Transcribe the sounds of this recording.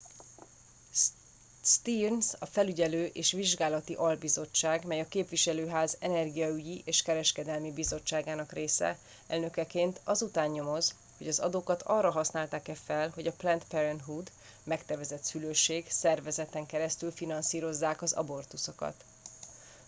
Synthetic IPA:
st̪irnsɒfɛlyɟɛløːʔeːʃʋiʒɡaːlɒt̪iʔɒlbizo̞t͡ʃːaːɡmɛjɒkeːpʋiʃɛløːɦaːzɛnɛrɡijɒyɟiʔeːʃkɛɾɛʃkɛd̪ɛlmibizo̞t͡ʃːaːɡaːnɒkreːsɛ̰ | ɛ̰lnø̞kɛkeːnt̪ʰɒzut̪aːɲɲo̞mo̞z | ho̞ɟɒzɒ̰d̪oːkɒt̪ʰɒrːɒɦɒsnaːlt̪aːkɛfɛlɦo̞ɟɒplɛnt̪pɛɾɛnɦud̪ | mɛkt̪ɛvɛzɛt̪syløːʃːeːɡsɛrvɛzɛt̪ɛŋkɛɾɛst̪ylfinɒnsiːɾo̞zːaːkɒzɒ̰bo̞rt̪usokɒ̰t̪

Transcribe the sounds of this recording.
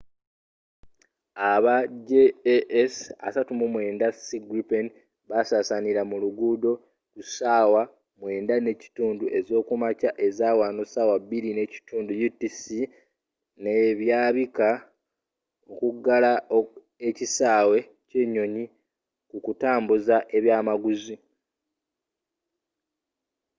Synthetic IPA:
aβaɟeʔesa̰satumumwe̞ːndasiɡɾipen | βasaːsaniɾamuluɡuːdo̞ | kusaːwa | mwe̞ːndane̞ci̥tuːnduʔe̞zo̞ːkumacaʔe̞zaːwanosaːwabːiline̞ci̥tuːndujutːisi | neβjaːβika | okuɡalao | ecisaːwe̞ | ce̞ːɲo̞ɲi | kukutaːmbuzaʔe̞βjaːmaɡuzi

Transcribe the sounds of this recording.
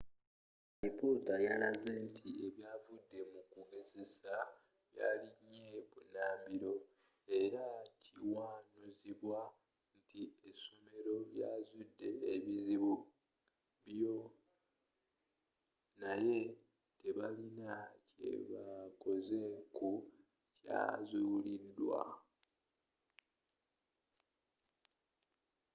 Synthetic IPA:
ɾipotajalazentʰie̞βjaːvudːe̞mukuɡe̞ze̞sa | βja̰ːliɲːe̞βunaːmbiɾo̞ | e̞ɾaciwaːnuziβwa | ntʰie̞some̞ɾo̞lja̰ːzudːe̞ːβiziβu | βjo̞ | naje̞ | te̞βalinace̞̰βako̞ze̞ku | ca̰ːzulidːwa̰

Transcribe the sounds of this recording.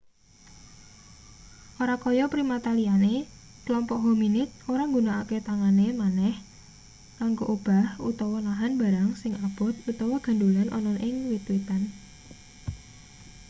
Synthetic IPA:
ʔoɾakɔjɔpɾimat̪aliane | klɔmpɔʔɦominɪt̪̚oɾaŋɡunaaket̪aŋanemanɛh | kaŋɡoʔob̥a̤hṵt̪ɔwɔnaɦanba̤ɾaŋsɪŋab̥ʊt̪̚ut̪ɔwɔɡ̥a̤ndulanʔɔ̰nɔnʔɪŋwit̪wit̪an

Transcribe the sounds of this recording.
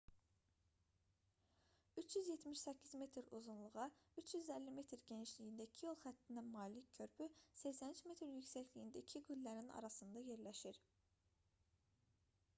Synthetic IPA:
yt͡ʃʰjyzje̞t̪miʃsæcʰːizme̞t̪ʰɾuzunlˠuʁɑyt͡ʃʰjyzælːime̞t̪ɾɟe̞niʃlijind̪æicʰijolˠxæt̪ʰːind̪æmɑːliccʰø̞ɾpʰysæcsænit͡ʃme̞t̪ɾjycsæçʰlijind̪æicʰiɡylːæɾinɑ̰ɾɑsɯnd̪ɑje̞ɾlæʃiɾ

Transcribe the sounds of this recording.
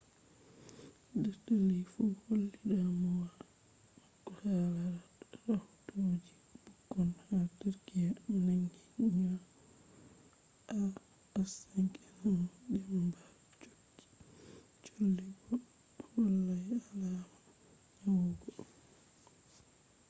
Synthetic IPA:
dɛɾtalijfuholːiɗamɔwa | makːɔhalaɾaɾahutod͡ʒi | b̥uɡːɔnhatiɾkiananɡiɲa | a | asaŋkʰinamɗɛmba | t͡ʃod͡ʒːi̥ | t͡ʃolːibɔ | wɔlːajalama | awuɡɔ

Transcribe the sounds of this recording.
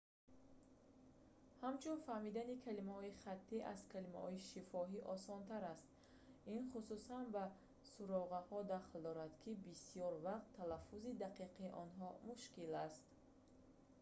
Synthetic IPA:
hamt͡ʃʰunfahmid̪anikʰalimahɔiχat̪ʰːiʔa̰zkʰalima̰hɔiʃifɔɦiʔɔsɔnt̪ʰaɾast̪̚ | inχususanba | suɾɔʁahɔd̪aχld̪ɔɾad̪kʰibisijɔɾvaqt̪ʰːalafːuzid̪aqiqʰiːʔɔnɦɔmuʃkilast̪

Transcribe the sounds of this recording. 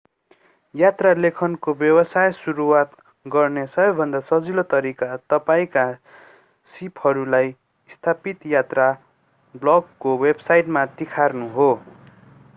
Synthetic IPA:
jat̪ralekʰʌnkobjʌbʌsajsuɾuwat̪ | ɡʌrnesʌɦʌbbʱʌnd̪asʌd͡zilot̪ʌɾikat̪ʌpaĩka | sipʰhʌɾulaj | ist̪ʰapit̪jat̪ra | blʌɡkowebsajʈmat̪ikʰarnuɦo

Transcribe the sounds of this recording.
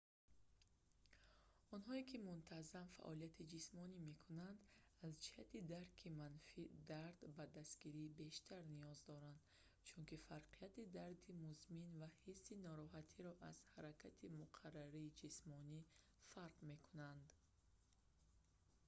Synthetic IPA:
ɔnɦɔekʰimunt̪ʰazamfa̰ʔɔlijat̪ʰid͡ʒismɔnime̞kʰunand̪azd͡ʒihat̪id̪aɾkʰimanfid̪aɾd̪bad̪ast̪ɡiɾibe̞ʃt̪ʰaɾnijɔzd̪ɔɾand̪ | t͡ʃʰunkifaɾqʰiat̪id̪aɾd̪imuzminvahisːinɔɾɔɦat̪ʰiɾɔʔaz̥haɾakʰat̪ʰimuqʰarːaɾiːd͡ʒismɔni | faɾqme̞kʰunand̪

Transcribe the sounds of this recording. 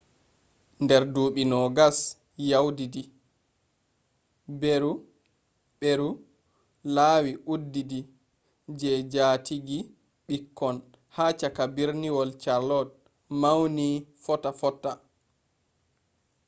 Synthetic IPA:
ndɛɾduːɓinɔɡas | jawdidi | beɾu | ɓeɾu | laːwiʔudːidi | d͡ʒɛd͡ʒaːtiɡi | ɓikʰːɔn | haːt͡ʃakabiɾniwɔlt͡ʃaɾlɔt̚ | mawnifɔtafɔtːa

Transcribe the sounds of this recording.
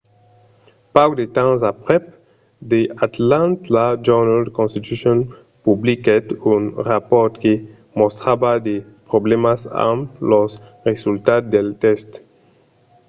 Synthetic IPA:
pawdet̪ãzapʁɛp | d̪eat̪lãntlad͡ʒɛnalkɔ̃nst̪it̪uʃɔ̃n | publikɛdũnʁapɔt̪ke | mɔ̃st̪ʁabad̪e | pʁɔblɛmasa̰mlɔsʁezultat̚d̪ɛlt̪ɛst

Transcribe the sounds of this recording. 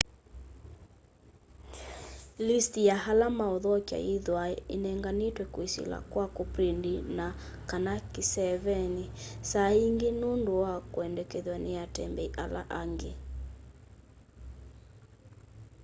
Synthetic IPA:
listijahalamaɔðɔkja̰iðwaɛinɛŋɡanitwɛkwisḭla̰kwakopɾindina | kanakisɛvɛnisaiŋɡenundoakuɛndɛkɛðwaneatɛmbɛiʔala̰ʔaŋɡe

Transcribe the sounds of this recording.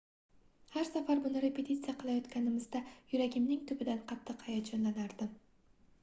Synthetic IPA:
haɾsafaɾbʊnɪɾe̞pʰe̞t̪ʰʲit̪sɨjaqʰɨlˠajɒt̪kʲanɪmɪzd̪ajʊɾaɡʲɪmnɪŋt̪ʰʊbɪd̪anqʰɑt̪ʰːɨqhɑjat̪d͡ʒonlanaɾd̪ɪ

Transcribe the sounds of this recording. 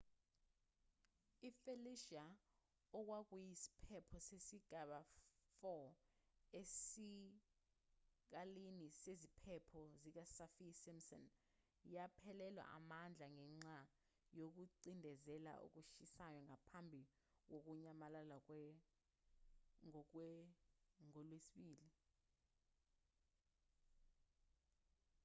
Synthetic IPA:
ifeliʃa | ɔk̬wak̬ujisi̥pʰɛpʰɔsesiɡ̥ʱaɓafɔ | esi | k̬alinisezipʰɛpʰɔzik̬asafisimsɔ̰n | japʰɛlɛlwa̰ʔa̰mand͡ɮʱaŋɛŋ͡ǁa | jok̬uǀindʱɛzɛla̰ʔṵk̬uʃisajɔŋapʰambʱi | k̬ok̬uɲamalalakɛ | ŋɔlwesiɓiːli

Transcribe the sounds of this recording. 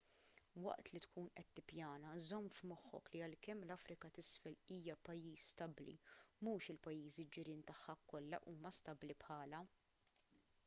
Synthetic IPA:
wɐ̰ʔt̪lit̪kʰuːnʔɛt̪ːɪpjɐːnɐzɔmːfmɔħːɔ̰kliɐlkɛmːlɐfɾɪkɐt̪ɪsfɛliːjɐpɐjːiːsːt̪ɐblḭmuːʃɪlpɐjːiːzid͡ʒɪɾiːnt̪ɐħːɐkːɔlːɐ̰ʔuːmɐst̪ɐblipħɐːlɐ

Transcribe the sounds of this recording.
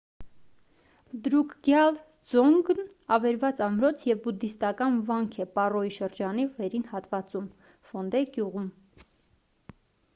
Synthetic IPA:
d̪ɾukʰɡjɑl | d͡zɔŋɡn | ɑvɛɾvɑt͡sɑmɾɔt͡sʰjɛvbud̪ist̪ɑkɑnvɑŋkʰɛpɑrɔiʃəɾd͡ʒɑnivɛɾinhɑt̪vɑt͡sum | fɔnd̪ɛɡjuʁum

